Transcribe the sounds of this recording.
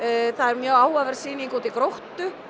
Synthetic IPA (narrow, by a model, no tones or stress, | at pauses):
θaðɛɾmjœːwaːwavɛɾ̥siːniŋkowt̪ɪkɾowht̪ʏ